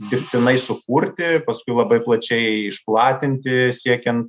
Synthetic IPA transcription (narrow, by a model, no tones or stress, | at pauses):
d̪ʲɪɾʲpʲt̪ʲɪnɐɪsʊkuːɾʲt̪ʲɪpɐskʊɪlˠɐbɐɪplˠɐt͡ʃʲɛɪɪʃplˠɑːt̪ʲɪnʲt̪ʲɪsʲiɛkʲɛnt̪